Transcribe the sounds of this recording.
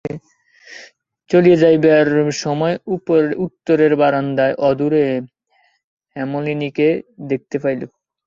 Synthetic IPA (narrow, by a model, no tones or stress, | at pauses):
t͡ɕolied͡ʑajbaɾʃɔmɔeuut̪ːoɾeɾbaɾand̪aeʔɔd̪uɾe | hɛmoliniked̪ek̚t̪efajlo